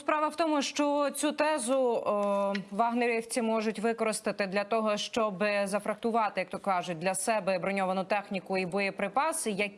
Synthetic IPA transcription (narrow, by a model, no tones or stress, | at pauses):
spɾɑʋɐwt̪ɔmʊʃt͡ʃɔt͡sʲut̪ɛzʊ | ʋɑɦneɾʲewt͡sʲimɔʒʊtʲʋɪkɔɾɪst̪ɪt̪ɪd̪lʲɐt̪ɔɦɔʃt͡ʃɔbɪzɐfɾɐht̪ʊʋɑt̪ɪjɐkt̪ɔkkɑʒʊd̪lʲɐsɛbɛɐbɾɔnʲɔʋɐnʊt̪ɛxnʲikʊibɔjɛpɾɪpɑsɪjɐk